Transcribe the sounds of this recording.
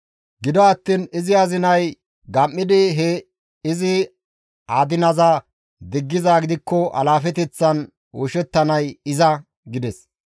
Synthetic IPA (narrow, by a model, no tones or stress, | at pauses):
ɡɪd̪ɔɐt̪ːiːnɪzɪɐzɪnɐj | ɡɐmːɪd̪ɪɦɛ | ɪzɪ | aːd̪ɪnɐza | d̪ɪɡːɪzaːɡɪd̪ɪkːɔʔɐ̰laːfɛt̪ɛt͡sːɐn | wɔʃɛt̪ːɐnɐjɪzɐ | ɡɪd̪ɛs